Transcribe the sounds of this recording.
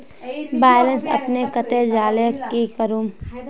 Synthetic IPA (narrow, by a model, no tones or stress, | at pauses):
baːjlə̃nsɐ̰pnekɐt̪ed͡ʒaːlekekəɾuːm